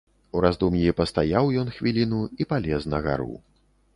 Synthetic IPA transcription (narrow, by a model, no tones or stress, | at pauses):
uɾazd̪umjipɐst̪ajawjɔnxvʲilʲinuipalʲɛznɐɣa̰ɾṵw